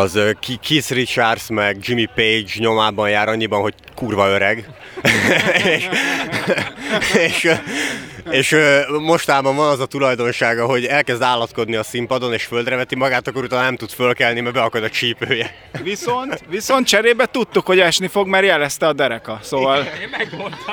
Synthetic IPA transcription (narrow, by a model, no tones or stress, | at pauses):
ɒzøkisrit͡ʃarsmɛɡd͡ʒimipejd͡ʒɲo̞maːbɒnjaːɾɒɲːibɒnɦo̞ɟ | kuːrvɒøɾɛɡ | eːʃ | eːʃ | eːʃømo̞ʃt̪aːbɒɱvɒnɒzɒt̪ulɒjd̪o̞nʃaːɡɒɦo̞ɟɛlkɛzd̪aːlːɒt̪ko̞d̪niɒsimpɒd̪o̞neːʃføld̪ɾɛvɛt̪imɒɡaːt̪ɒkːout̪aːnnɛmt̪ut̪fø̞lkɛlnimɛbɛɒkɒd̪ɒt͡ʃiːpøːjɛ | ʋiso̞nt̪ʋiso̞nt̪̚t͡ʃɛɾeːbɛt̪ut̪ːukho̞ɟɛʃnifo̞ɡmɛrjɛlɛst̪ɛɒd̪ɛɾɛkɒsoːvɒl